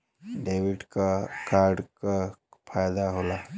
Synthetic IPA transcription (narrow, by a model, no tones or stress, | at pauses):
ɖeːʋɪɖkakaːɾɖkapʰaːjd̪aɦola